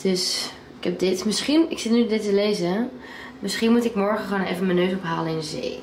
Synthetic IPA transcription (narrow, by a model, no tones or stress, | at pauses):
d̥øs | ɪkɦɛp̚dɪtmɪsχinɪksɪtnydɪtəlejzə | mɪsχinmutɪkmɔɹχəχʋonḛjvənmɛnøɥsɔpɦaːlənɪndəzḛj